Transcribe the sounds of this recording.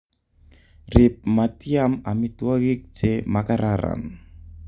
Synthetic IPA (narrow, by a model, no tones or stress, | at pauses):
rip̚mat̪iamamit̪uaɣik̚t͡ʃemakaɾaɾa̰m